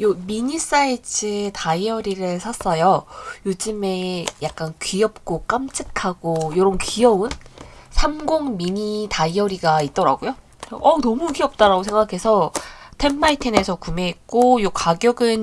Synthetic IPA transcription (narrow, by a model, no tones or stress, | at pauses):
jomiɲis͈ait͡ɕʰɯtʰaiʌɾiɾɯɭsʰas͈ʌjojod͡ʑɯme̞jak̚k͈ankɥiʌp̚k͈ok͈amt͡ɕʰɯkʰaɡojoɾʌnkiʌunsʰamɡoŋmiɲitaiʌɾiɡait̚t͈ʌɾa̰ɡojo | ʌnʌmukiʌp̚t͈aɾaɡosʰe̞ŋɡakʰe̞sʰʌtʰe̞mːaitʰene̞sʰʌkume̞ːk̚k͈ojokaɡjʌɡɯn